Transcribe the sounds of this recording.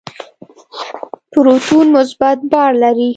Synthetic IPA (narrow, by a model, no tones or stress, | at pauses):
pʊɾot̪unmʊs̬bat̪̚bɑɾlaɾi